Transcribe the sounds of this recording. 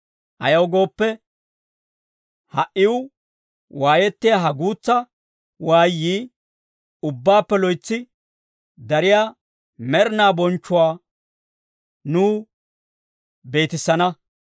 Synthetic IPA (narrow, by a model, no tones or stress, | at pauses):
ʔɐ̰jɐwɡo̞ːpːɛ | hɐʔɪwʊ | waːjɛt̪ːɪjaɦɐɡuːt͡sːɐ | waːjːiː | ʊbːaːpːɛlɔjt͡sːɪ | d̪ɐɾɪjaː | mɛɾnaːbɔnt͡ʃːʊwaː | nuː | be̞ːt̪ɪsːɐnɐ